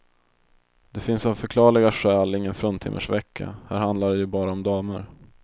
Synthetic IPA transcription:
d̪̥ɛfɪnsavfœɾkʰlɑːɭɪɡaɧɛːlɪŋːənfɾɵnt̪ʰɪ̰mʔə̰ʂvɛkʰːa̰hæːɾhand̪laɖɛjɵbɑːɾaɔmd̪ɑːməɾ

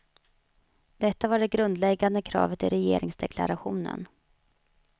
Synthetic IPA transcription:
d̪ɛt̪ːavaɖɛɡɾɵnd̪lɛɡːand̪əkʰɾɑ̰ːvət̪ɪɾɛjeːɾɪŋsd̪ɛkʰla̰ɾaɧuːnə̰n

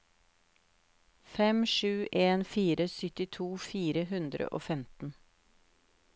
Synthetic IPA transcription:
fɛmʃʉːʔeːnfiːɾʔəsʏt̪ɪt̪ʰuːfiːɾəɦʉnd̪ɾə̰ʔo̰ːfɛmt̪n̩

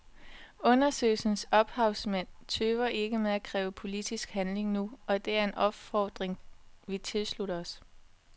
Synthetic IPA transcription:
ɔ̽nɐsø̰ːlsn̩sɒ̽b̥hɑ̈ʊsmæn̰t͡sʰøːʋɐʔe̝ɡ̥əmeðˠækʰʁɛːʊəpʰo̝lid̥isɡ̥hænle̝ŋnuɒ̽d̥e̝æɐe̝nʔɒ̽b̥fɒːd̥ʁeŋʋit͡sʰe̝lsluɾɐɒs

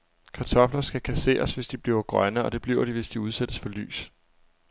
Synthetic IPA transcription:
kʰɑ̈t͡sʰɒ̽flɐsɡ̥ækʰæse̝̰ːɐsʋe̝sd̥ib̥liʊɐɡ̥ʁɶnəɒ̽d̥e̝b̥liʊɐɾ̥iʋe̝sd̥iuð̞ˠsed̥əsfɒ̽ly̰ːs

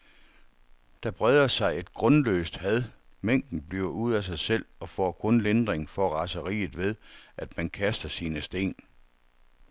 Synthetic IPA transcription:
d̥æb̥ʁɛðˠɐsɑ̈ɪe̝d̥̚ɡ̥ʁɔ̽nlø̰ːsd̥hæð̞ˠmeŋ̰d̥n̩b̥liɐuð̞̰ˠæs̬ɑ̈ɪsel̰ɒ̽fɒ̰ːkʰɔ̽nlend̥ʁeŋfɒ̽æʁɑ̈səʁḭːð̩ˠʋe̝ð̞ˠʔæd̥mænkʰæsd̥ɐsiːnəsd̥e̝̰ːn

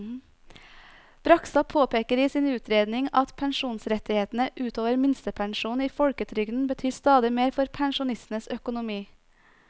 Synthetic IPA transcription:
b̥ɾɑksɑpʰoːpʰeːkəɾiːsiːnʉːt̪ʰɾeːd̪nɪŋɑt̪pʰɛŋʃuːnsɾɛt̪ɪheːt̪n̩əʔʉːt̪ʰoːʋəɾmɪnst̪əpʰɛŋʃuːniːfɔɽkət̪ʰɾʏɡd̪n̩bət̪ʰyːst̪ɑːd̪ɪmeːɾfɔɾpʰɛŋʃʊnɪst̪nəsœkʊnʊmiː

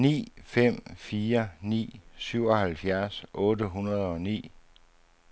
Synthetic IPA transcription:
nḭːfem̰fiːɐnḭːsyʊ̰ɒ̽hælfjæɐsʔɔ̽ːdəɦunɐð̞ˠɒ̽nḭː

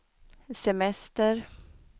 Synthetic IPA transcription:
sɛmɛst̪əɾ

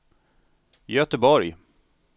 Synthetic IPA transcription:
jœt̪əbɔɾj

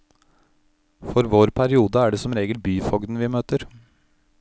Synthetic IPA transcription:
fɔɾʋoːɾpʰæɾɪuːd̪əæːɖɛsɔmɾeːɡəlbyːfɔɡd̪n̩ʋɪːmøːt̪əɾ

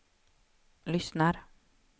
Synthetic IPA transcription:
lʏsnəɾ

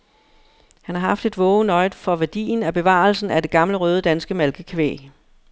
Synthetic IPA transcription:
hænhɑ̈hɑ̈fd̥e̝d̥ʋɔːʊnɒ̽ɪdfɒ̽ʋæɐd̥ḭːnæb̥e̝ʋɑ̰̈ːl̩sn̩æd̥e̝ɡ̥ɑ̈mləʁœːð̞ˠəd̥ænsɡ̥əmælɡ̥əkʰʋḛː

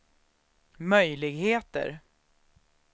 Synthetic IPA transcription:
mœjlɪɡheːt̪ə̰ɾ

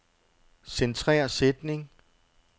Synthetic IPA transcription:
sent͡sʰʁɛ̰ɐsed̥ne̝ŋ

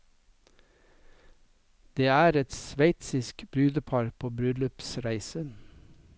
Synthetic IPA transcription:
d̪̥eːæːɾɛt̪sʋæɪt̪sɪskb̥ɾʉːd̪əpʰɑɾpʰoːbɾʉlʉpsɾæɪsən

